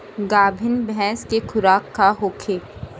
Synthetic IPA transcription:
ɡaːbʱɪnbɛ̃ːskekʰʊɾaːkːaɦoːkʰeː

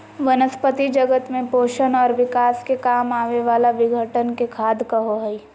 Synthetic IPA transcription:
ʋənəspət̪id͡ʒɐɡət̪mẽpoːʃənɔːɾʋɪkaːskekaːmaːʋeʋaːlaʋɪɡʱəʈənkekʰaːd̪kəɦoɦɛi

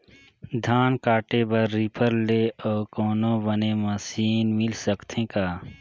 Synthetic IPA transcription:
d̪ʱaːnkaːʈebəɾːipʰəɾleʔɔːɾkoːnõbəneməsiːnmɪlsəkt̪ʰẽkaː

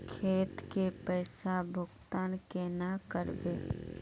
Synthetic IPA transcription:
kʰeːt̪kepɛːsabʱʊɡt̪aːnkenakəɾbeː

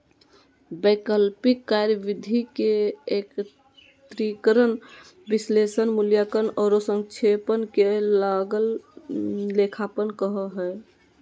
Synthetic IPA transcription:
bekəlpikːaɾjəʋid̪ʱikeek | t̪ɾikəɾən | bislesənmuljakənɔːɾosəŋɡt͡ʃʰepənkelaɡəl | lekʰapənkəɦəɦɛː

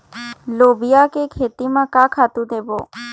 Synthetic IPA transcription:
lobijakekʰet̪imãkakʰat̪ũd̪ebo

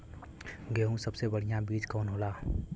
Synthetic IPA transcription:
ɡeɦũsəbsebəɽ̤ijãbiːd͡ʒkɔːnɦoːlaː

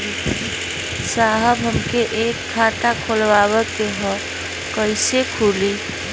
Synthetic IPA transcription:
saːɦəbʱɦəmkeʔeːkʰːaːʈakʰolʋaːwək̪eɦɔ | kəɪsekʰuːliː

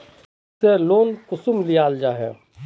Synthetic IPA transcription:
seloːnkʊsumlijaːld͡ʒaːɦɛ̰

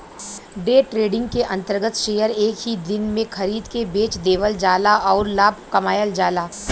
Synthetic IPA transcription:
ɖeːʈɾeːɖɪ̃ŋɡkeʔɐ̃nt̪əɾɡət̪ʃeːjəɾeːkɦid̪ɪnmẽxʰɐɾiːd̪kebeːt͡ʃd̪eːʋəld͡ʒaːlaʔɔːɾlaːb̚ʱkɐmaːjəld͡ʒaːlaː

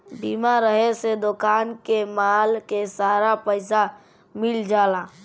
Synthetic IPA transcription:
biːmaɾəɦesed̪okaːnkemaːlkesaːɾapəɪs̬a | mɪld͡ʒaːlaː

